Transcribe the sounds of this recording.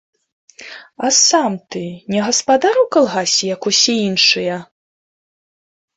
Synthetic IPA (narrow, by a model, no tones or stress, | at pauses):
ɐsamt̪ɨnʲɛɣɐspad̪aɾwkalˠɣasʲɛjɐkusʲɛinʂɨjɐ